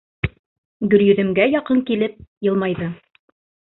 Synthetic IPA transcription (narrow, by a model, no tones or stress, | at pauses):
ɡɵ̆ɾjɵ̆ðɘ̆mɡæjɑqɤŋkilɘp̚jɤ̆lˠmɑjðɤ